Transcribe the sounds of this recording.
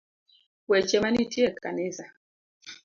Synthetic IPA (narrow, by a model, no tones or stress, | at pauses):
wɛt͡ʃɛmanitʰiɛkanɛza